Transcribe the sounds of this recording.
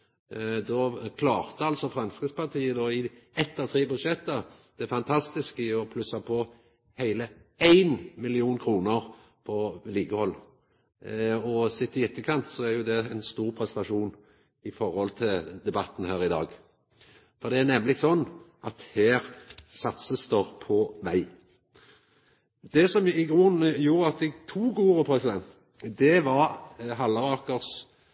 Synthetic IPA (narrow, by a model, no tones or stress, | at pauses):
d̪ɔkʰlɑːʁt̪əɑlsɔfɾɑnskəspɑʁt̪ʰiːəd̪ɔːɪɛt̪ːɑːʋt̪ʰʁeːbʉd̪ʂɛt̪ːɑd̪̥ɛæɾfɑnt̪ʰɑst̪ɪskɪɔpʰlʉsɑpʰɔ | hæɪləæɪnmɪlɪuːnkʰɾuːnəʁ | pʰɔliːɡəhɔlː | ɔsɪt̪ːəjɛt̪ːəkʰɑnt̪sɔæɾjʊd̪ɛɛnst̪uːʁpʰɾɛsɛt̪ɑʂuːn | ɪfɔʁhɔlt̪ʰɪld̪ɛbɑt̪ːn̩hæːɾɪd̪ɑ̰ːɡ | fɔʁd̪ɛæʁnɛmːlɪɡsɔnːʔɑt̪heːɾsɑt̪səst̪oːʁpʰɔʋæɪ | d̪̥ɛsɔmɪɡuːnjuːɾəɑt̪̚d̪ɛt̪ʰuːɡuːʁəpʰɾɛsɪd̪ɛnt̪ | d̪ɛʋɑɾɦɑləʁɑːkəʁs